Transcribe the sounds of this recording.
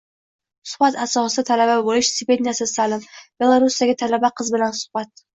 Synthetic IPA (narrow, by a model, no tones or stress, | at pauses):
sʊ̥χbat̪asɒsɨd̪at̪ʰalababolɪʃsɪvenijasɪsalɪmb̥e̞lˠaɾusijaɡʲɪt̪ʰalabaqʰɨzbɪlansʊ̥hb̥at̪̚